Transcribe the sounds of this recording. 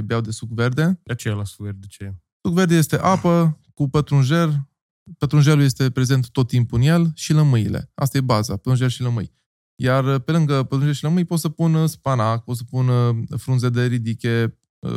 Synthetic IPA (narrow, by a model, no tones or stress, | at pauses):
beawd̪e̞sukve̞rd̪e̞at͡ʃejlasukveɾd̪et͡ʃeja | sukve̞rd̪eje̞st̪e̞ʔapəkupət̪ɾunʒe̞r | pət̪ɾunʒeluje̞st̪e̞pɾe̞ze̞nt̪t̪ːot̪ːimpuɨnje̞lʃiləmɨjile̞̰a̰st̪aje̞bazapət̪ɾunʒerʃiləmɨj | jarpe̞lɨŋɡəpət̪ɾunʒe̞rʃiləmɨjpo̞t̪səpunspanak̚po̞t̪s̬əpunfɾunze̞d̪e̞ɾid̪ikʲe̞̰